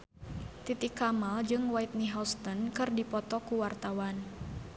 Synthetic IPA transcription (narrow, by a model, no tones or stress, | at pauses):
t̪it̪ikːamald͡ʒɨŋwait̪̚niɦɔst̪ɔnkɨrdipɔt̪ɔkuwart̪awan